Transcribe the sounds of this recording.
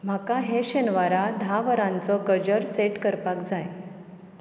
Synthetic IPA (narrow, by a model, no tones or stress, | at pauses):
m̤akaɦeɕenʋaɾad̪ʱaʋəɾãnt͡sɔɡəd͡ʑəɾseʈkəɾpakd͡zaj